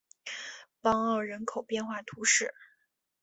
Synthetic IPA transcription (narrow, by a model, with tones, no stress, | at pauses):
pɑ˥ŋɑ˥˩ʊɻə˧˥nkʰo˨˩ʊpjɛ˥˧nxwa˥˩t̪ʰu˧˥ʂɻ̩˥˩